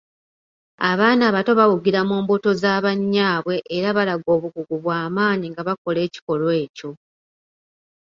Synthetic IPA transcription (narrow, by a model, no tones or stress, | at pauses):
aβaːnaːβato̞βawuɡiɾamuːmboto̞zaːβaɲːaːβwe̞ʔːɾaβalaɡo̞ːβuɡuɡuβwaːmaːɲiŋɡaβako̞le̞ːci̥ko̞lwe̞ːco̞